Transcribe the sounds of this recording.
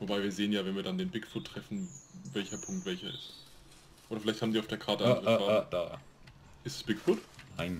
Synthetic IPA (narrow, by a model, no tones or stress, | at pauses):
vobaɪviːɐzeːənjaːvɛnviːɐdandeːnbɪkfʊtʰːʁ̥ɛfn̩vɛlçɐpʰʊŋk̚tv̥ɛlçɐɪst | ʔoːɾɐfɪlaɪçthaːmdiːaʊfd̥eːɐkʰaɐtəʔaʁvaːd̥aː | ʔɪstɛsb̥ɪkfʊtnaɪn